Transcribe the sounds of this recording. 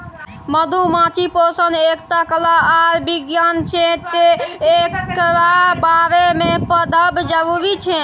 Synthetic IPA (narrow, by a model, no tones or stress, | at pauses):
məd̪ʱumãt͡ʃʰiposənekt̪akəlaaɾbiɡjant͡ʃʰet̪eekɾabaɾemepəd̪ʱəbd͡ʒəbubit͡ʃʰe